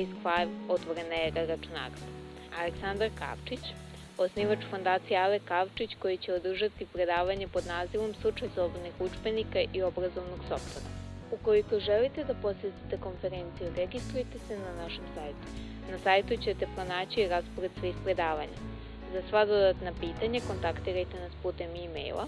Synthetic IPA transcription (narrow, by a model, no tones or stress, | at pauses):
sklavot̪ʋo̞ɾenaeɾaɾat͡ʃuna̰ːɾod̪a | aleksand̪aɾka̰ːʋt͡ʃit͡ɕ | osniːʋat͡ʃfo̞nd̪aːt̪sijaalekaʋt͡ʃit͡ɕko̞jit͡ɕe̞od̪r̩ʒat̪ipɾe̞d̪aːʋaɲepod̪naːziʋo̞mslˠut͡ʂajslˠobod̪nixut͡ʂbenikaʔio̞bɾazo̞ʋnoɡso̞ft̪oɾa̰ | ukoliko̞ʒelit̪e̞d̪apo̞set̪it̪e̞ko̞nfe̞ɾe̞nt̪sijuɾeɡist̪ɾujet̪e̞se̞nanaʃo̞msaːjt̪u̥ | nasajt̪ut͡ɕet̪e̞pɾo̞naːt͡ɕiiɾaspoɾed̪sʋeispɾe̞d̪aːʋaɲa | zasʋad̪o̞d̪at̪napiːt̪aɲako̞nt̪akt̪iɾajt̪e̞naspuːt̪e̞mimḛjlˠʔa̰